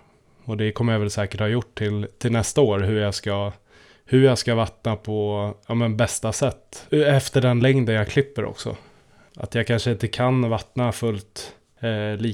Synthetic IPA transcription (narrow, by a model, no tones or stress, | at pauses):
ɔd̪ɛkʰɔmːəɾjavɛlsɛːkəʈhɑːjʊʈʰːɪlt̪ʰɪlnɛst̪aoːɾɦɵɾjaːɡska | hɵɾjaːɡskavat̪napʰɔɑːmɛnbɛst̪asɛt̪ːɛft̪əɖɛnlɛŋd̪ənjakʰlɪpːəɾʔɔ̰ksɔ̰ | ʔa̰t̪jaːɡkʰanʂəɪnt̪əkʰanvat̪nafɵlt̪ | liː